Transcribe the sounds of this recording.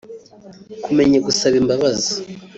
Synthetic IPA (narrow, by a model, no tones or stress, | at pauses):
kume̞ɲaɡusaβimbaβazi